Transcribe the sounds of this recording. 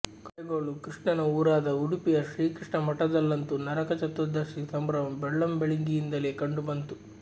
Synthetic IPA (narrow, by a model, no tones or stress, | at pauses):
kɐɡoːɭukɾiʂɳɐnɐuːɾaːd̪ɐuɽupijɐʃɾiːkɾiʂɳɐmɐʈːɐd̪ɐlːɐnt̪unɐɾɐkɐt͡ʃɐt̪ːɐd̪ɐʂisɐmbɾɐʋɐmbɛɭːɐmbeɭiŋɡijind̪ɐlekɐɳɖubɐnt̪u